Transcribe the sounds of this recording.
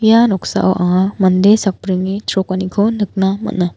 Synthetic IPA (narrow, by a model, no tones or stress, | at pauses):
janɔksa̰ʔa̰wʔa̰ɦamɐnd̪esak̚pɾiŋːitʰɾɔkanikʰɔnɯk̚namɐ̰tna